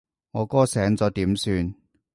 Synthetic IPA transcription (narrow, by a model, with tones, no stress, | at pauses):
ŋɔː˨˧kɔː˥sɛː˨˥ŋt͡sɔː˨˧t̪iː˨˥msyː˧n